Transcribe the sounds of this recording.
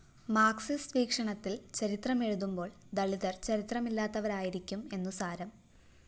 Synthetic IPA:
maːksisʋiːkʂɐɳɐt̪ːilt͡ɕɐɾit̪rɐme̞ɻuðumbo̞ːɭ | d̪ɐɭiðɐrt͡ɕɐɾit̪rɐmilːaːt̪ːɐʋɐɾaːjiɾikʲːume̞nːusaːɾɐm

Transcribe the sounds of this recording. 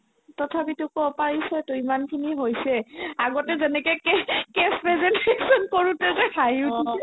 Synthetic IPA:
tɔtʰapitʊkɔpaɹisɔjtʊimankʰiniɦojsɛaɡɔtɛzɛnɛkɔkɛkɛspɹɛzɛntesɔnkoɹutɛzɛkʰajʊdiɛ

